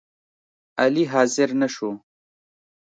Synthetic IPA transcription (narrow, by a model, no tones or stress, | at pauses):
aliɦɑːzɪɾnaʃo